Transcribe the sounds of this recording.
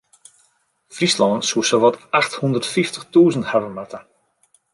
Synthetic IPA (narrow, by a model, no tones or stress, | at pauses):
frislɑnsuəsəʋɔtaxthundərtfiftəχtuːzənthavəmatə